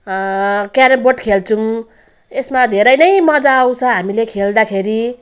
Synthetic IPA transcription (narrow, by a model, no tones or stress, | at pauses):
kaɾʌboʈkʰelt͡sʰum | esmad̪ʱeɾʌjnʌjmʌd͡zaːw̃t͡sʰʌɦamilekʰeld̪akʰeɾi